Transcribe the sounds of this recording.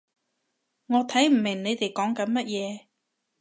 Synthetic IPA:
ŋɔː˨˧t̪ʰɐ˨˥jm̩˨˩mɪ˨˩ŋne˨˧jt̪e˨jkɔː˨˥ŋkɐ˨˥nmɐ˥t̚jɛː˨˧

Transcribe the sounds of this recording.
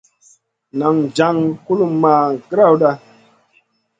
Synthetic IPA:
na˨ŋ˨d͡ʒa˨˦ŋku˦lu˦maː˨ɡɾa˦˨wɗa˧

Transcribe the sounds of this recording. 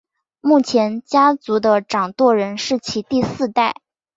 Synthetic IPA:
mu˥˩t͡ɕʰjɛ˧˥nt͡ɕja˥t͡su˧˥d̪ə˧ʈ͡ʂɑ˨˩ŋt̪wɔ˥˩ɻə˧˥nʂɻ̩˥˩t͡ɕʰi˧˥t̪i˥˧sɹ̩˥˧t̪a˥˩ɪ

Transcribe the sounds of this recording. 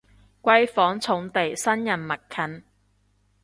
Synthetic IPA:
kʷɐ˥jfɔː˨˥ŋt͡sʰʊ˨˥ŋt̪e˨jsɐ˥njɐ˨˩nmɐ˨t̚kʰːɐ˨˥n

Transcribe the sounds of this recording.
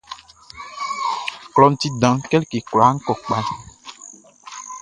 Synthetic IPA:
klɔ˨˦n̩˨˦t̪i˦dã˨ŋkɛ˦lke˨kla˨˦ŋ̩˦kɔ˨k͡pa˦l

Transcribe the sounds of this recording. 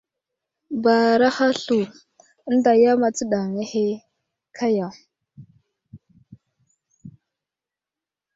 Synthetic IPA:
ba˨ɾa˦xa˦ɬu˨˦ | n˦da˨ja˦ma˨t͡sə˦ɗa˨ŋe˦he˦ | kʰa˦ja˨

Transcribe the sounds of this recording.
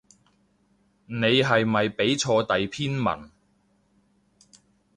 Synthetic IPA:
ne˨˧jɦɐ˨jmɐ˨jpe˨˥jt͡ʃʰɔː˧t̪ɐ˨jpʰiː˥nmɐ̰˨˩n

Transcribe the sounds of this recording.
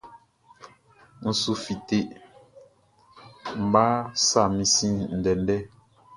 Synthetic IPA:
n̩˨su˨fi˨te˨ʔ | m̩˨ba˦sa˦˨mĩ˨sĩ˦n̩˨dɛ˨n˦dɛ˦

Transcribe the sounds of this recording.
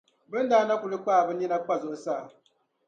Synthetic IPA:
bɨ˦n˦daː˦na˦ku˨lɨ˦k͡pa˦˨bɨ˦ni˦na˦k͡pa˦zʊ˨ʔʊ˨saː˦˨

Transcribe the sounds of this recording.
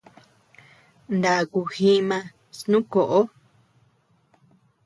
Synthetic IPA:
nd̪a˨ku˧hĩ˦mã˧ | snũ˦ko˨ʔo˦

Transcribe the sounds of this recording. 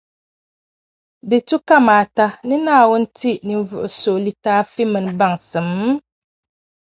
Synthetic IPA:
dɨ˨tu˦ka˦maː˨ta˦nɨ˦naː˦˨wʊ˦n̩˦ti˦ni˨n˦˨vʊ˨ʔʊ˨so˨li˦taː˦fi˦mɨ˨n˨˦ba˦ŋsɨ˨m˦

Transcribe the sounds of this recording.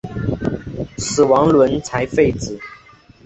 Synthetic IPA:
sɹ̩˨˩wɑ˧˥ŋlwə˧˦nt͡sʰa˧˥ɪfe˥˩ɪt͡sɹ̩˨˩˦

